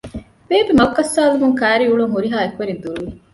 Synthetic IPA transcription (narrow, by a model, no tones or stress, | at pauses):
beːbemɐkːɐsːaːlumuŋkæːɾiuɭuŋɦuɾiɦaːekuʋeɾid̪uluʋi